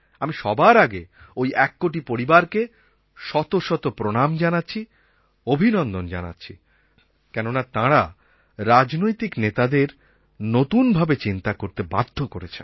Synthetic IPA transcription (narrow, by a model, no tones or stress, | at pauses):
amiʃɔbaɾaɡe | ojɛkːoʈipoɾibaɾke | ʃɔt̪oʃɔt̪opɾonamd͡ʑanatːɕʰi | obʱinɔnd̪ond͡ʑana̰tːɕʰḭ | kɛnonat̪ãɾa | ɾad͡ʑnojt̪iknet̪ad̪eɾ | not̪unbʱabet͡ɕint̪akoɾt̪eba̰d̪ʱːokoɾet͡ɕʰḛn